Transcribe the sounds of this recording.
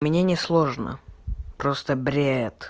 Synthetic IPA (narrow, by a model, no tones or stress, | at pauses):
mʲɪnʲenʲɪslˠoʐnə̰pɾost̪əbɾʲet̪